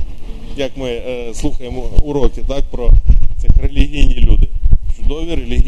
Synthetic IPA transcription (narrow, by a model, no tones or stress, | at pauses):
jɐkmɪslˠuxɐjemɔʊɾɔkʲit̪ɑk̚pɾɔt̪sɛxɾelʲiɦʲijnʲilʲud̪ɪt͡ʃʊd̪ɔʋʲiɾelʲiɦʲ